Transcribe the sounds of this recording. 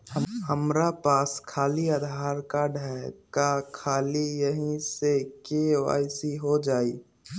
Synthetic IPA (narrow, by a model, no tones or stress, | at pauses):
ɦəmɾapaːskʰaːliəd̪ʱaːɾkaɖʱɛkakʰaːlijəɦĩsekeʋa̰ːɪsiɦod͡ʒaːiː